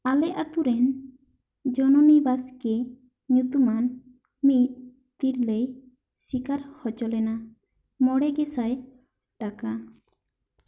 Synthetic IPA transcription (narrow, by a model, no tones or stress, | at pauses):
alɛʔat̪uɾɛn | d͡ʒɔnɔnibaske | ɲut̪uman | mit̪̚ | t̪iɾlej | sikaɾhɔt͡ʃɔlɛna | mɔɽɛɡɛsaj | ʈaka